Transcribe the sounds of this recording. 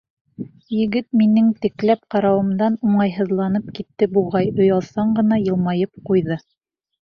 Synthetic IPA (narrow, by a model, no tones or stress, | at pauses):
jɘ̆ɡɘt̪̚minɘŋt̪ɘ̆klæp̚qɑɾɑwɤ̆md̪ɑnuɴɑjɦɤ̆ðlˠɑnɤp̚kit̪ːɘbuʁɑjŏjɑlˠsɑɴɢɤ̆nɑjɤ̆lˠmɑjɤp̚qujðɤ